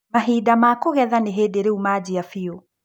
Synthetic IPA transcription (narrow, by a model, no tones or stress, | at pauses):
maɦidamakoɣɛðaneɦeːdeɾeumad͡ʑiafio